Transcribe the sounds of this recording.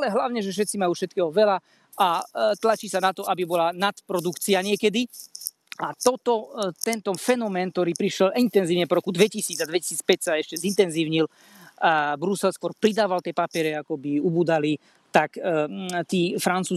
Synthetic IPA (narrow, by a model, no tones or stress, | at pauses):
alɛɦlaʊɲɛʒɛfʃ̬ɛt̪t͡simajuːfʃɛt̪̚kɛːɦɔʋɛla | at̪lat͡ʃiːsanat̪ɔʔabibɔlanat̪pɾɔd̪ukt͡siaɲɪɛkɛd̪i | at̪ɔt̪ɔt̪ɛnt̪ɔfɛnɔmɛːnk̚t̪ɔɾiːpɾiʃjɛlʔint̪ɛnziːʊɲɛpɔɾɔkud̪ʋɛcisiːd͡zad̪ʋɛci̥siːt͡spɛcsaɛʃcɛzint̪ɛnziːʊɲil | bɾusɛlskʊɔɾpɾid̪aːʋalt̪ɪɛpapɪɛɾɛakɔbiubuːd̪ali | t̪akːt̪iːfɾant͡suː